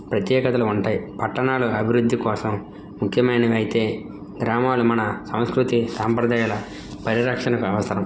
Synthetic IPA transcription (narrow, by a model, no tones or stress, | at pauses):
pɾɐt̪jɛːkɐt̪ɐluuɳʈaːjipɐʈːɐnaːluɐbʱiɾud̪ʱːikɔːsɐmː | ukʰjɐmɐjnɐʋɐjit̪e̞ː | ɡɾaːmaːlumɐnɐsɐ̃w̃skɾut̪isaːmpɾɐd̪aːjɐlɐ | pɐɾiɾɐkʂɐnɐkuɐʋɐsɐɾɐm